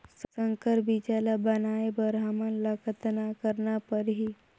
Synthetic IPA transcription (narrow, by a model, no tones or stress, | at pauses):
ssəŋkəɾbid͡ʑalabənaebəɾamənləkət̪nakəɾɳapəɾɦi